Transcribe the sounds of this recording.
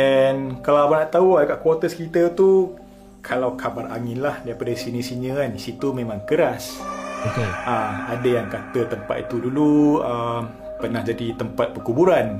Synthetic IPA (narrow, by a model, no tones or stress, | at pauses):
ɛnkalaabanaʔt̪auadakaʔkwot̪əskit̪ət̪u | kʰalawkʰabaraŋɪnlahdaɾipadasinisiɲə̃anisit̪umẽmãŋkəɾasokeaadajaŋkat̪ət̪əmpa̰t̪̚it̪uduluəm | pənahd͡ʒadit̪əmpat̪̚pərkubuɾan